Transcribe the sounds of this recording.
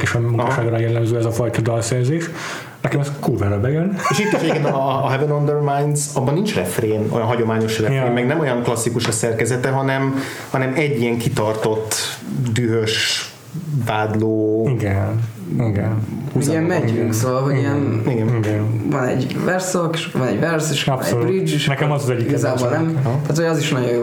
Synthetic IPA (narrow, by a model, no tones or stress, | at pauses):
kiʃɛmuŋkaʃaːɡɾajɛlːɛmzøːɛzɒfɒjt̪ɒd̪ɒlsɛrzeːʃ | nɛkɛmɛskurvaːɾɒbɛjøneːʃit̪ːiʃɛɟekenɒːɦɛvɛnond̪ɛrmajnd̪zɒbːɒnːint͡ʃrɛfreːno̰jɒnɦɒɟo̞maːɲo̞ʃrɛeːmmɛɡnɛmo̞jɒŋklɒsːikuʃɒsɛrkɛzɛt̪ɛɦɒnɛm | hɒnɛmɛɟːijɛŋkit̪ɒrt̪o̞t̪ː | d̪yɦøʃ | vaːd̪loːiɡɛn | ɡ̰nhuzzɛmmɛɟyŋksovɒlɦoɟijɛniɡɛnɡɛnvɒnɛ̰ɟvɛrsokʃvɒnɛ̰ɟvɛrseʃnɛ̰brid͡ʒeʃnɛkɛmzzɛɟːiiɡzaːboːlnɛmt̪aːt̪hoɒziʃnɒɟojo